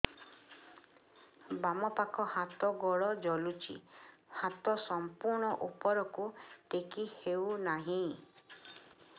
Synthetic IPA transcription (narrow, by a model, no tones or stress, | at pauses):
bamɔpakʰɔhat̪ɔɡɔɭɔd͡ʒɔlut͡ʃʰḭhat̪ɔsɔmpuɾɳ̃ɔʔupɔɾɔkuʈ̪ekihewnaɦĩ